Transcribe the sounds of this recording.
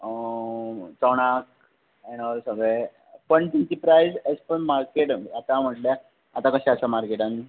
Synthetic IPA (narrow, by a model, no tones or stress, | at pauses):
t͡sɔɽ̃ak̚ | ɛnɔlsəɡɾe | pəɳʈint̪ipɾajzespəɳmaɾkeʈat̪am̤əʈla | at̪akəɕɛəsamaɾkeʈãni